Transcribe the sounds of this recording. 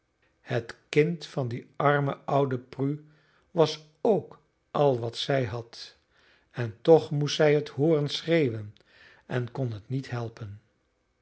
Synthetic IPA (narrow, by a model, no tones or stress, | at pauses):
hətkɪntfɑndiɑɹmə̰ʔɑwdəpry | ʋɑs | owk | ʔɑlˠʋɑtsɛjɦɑt | ɛntɔχmustɛjɦəthʊːrənsrejʋən | ʔɛnkɔnɦətnitɦɛlˠpən